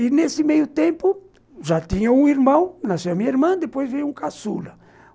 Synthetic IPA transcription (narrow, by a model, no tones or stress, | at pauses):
inesɪmejʊt̪ẽmpʊ | ʒat̪ĩɲɐũiɾmɐ̃w̃nasẽɐmĩɲɐiɾmɐ̃d̪epojzvẽɲũkasṵlɐ